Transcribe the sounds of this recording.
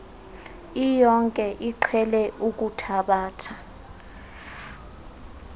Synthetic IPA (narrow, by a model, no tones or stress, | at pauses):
ijɔŋkʼɛʔiǃʰɛlɛʔuk̬ʼutʰaɓaːtʰa